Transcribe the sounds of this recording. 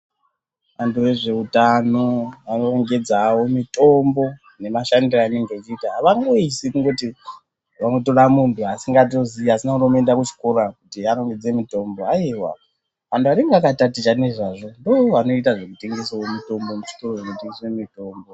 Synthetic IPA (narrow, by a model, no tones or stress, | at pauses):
ʋantuʋe̞ʐe̞utanoanoreŋɡe̞d͡zawo̞mito̞mbo̞ | ne̞maʃandiraːne̞ŋɡeit͡ʃiːtaɦaʋaŋɡoisikuŋɡoti | ʋanoto̞ramuntʰuasiŋɡat̬oziɦasinakunomendakut͡ʃi̥koɾakutiaroŋɡed͡zemito̞mbo̞aiwa̰ | ʋantʰuaɾeŋɡakatatit͡ʃane̞ʐaʐo̞ndooano̞it̬aʐemute̞ŋɡe̞sowomito̞mbo̞muʐi̥toroʐekuteŋɡesemito̞ːmbo